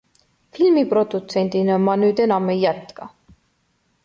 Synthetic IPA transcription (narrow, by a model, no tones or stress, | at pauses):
filmiprod̪̥ut̪senʲt̪inɑmɑnyːt̪enɑmːejæt̪kɑ